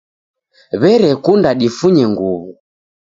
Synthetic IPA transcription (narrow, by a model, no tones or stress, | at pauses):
βɛɾɛkundaɗifuɲɛŋɡuβu